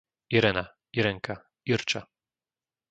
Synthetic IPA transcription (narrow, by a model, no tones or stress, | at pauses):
iɾɛna | iɾɛŋka | iɾt͡ʃa